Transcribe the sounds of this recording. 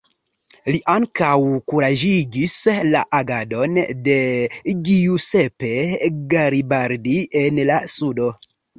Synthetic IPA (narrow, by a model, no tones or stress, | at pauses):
liʔaŋkawkuɾad͡ʒiɡislaʔaɡado̞nde̞ɡiuse̞pe̞ɡaɾibaɾdiʔe̞nlasudo̞